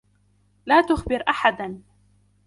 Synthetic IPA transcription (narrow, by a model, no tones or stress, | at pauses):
laːt̪ʊxbɪɾʔaħad̪n